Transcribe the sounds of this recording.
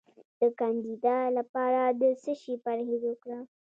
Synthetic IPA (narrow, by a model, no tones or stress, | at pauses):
d̪̥əkɑnd̪id̪alapɑɾad̪əsəʃipaɾhid̪okɽa